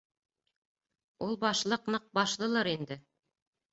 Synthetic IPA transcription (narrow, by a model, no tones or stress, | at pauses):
ulˠbɑʃlˠɤqnɤq̚bɑʃlˠɤ̆lˠɤɾind̪ɘ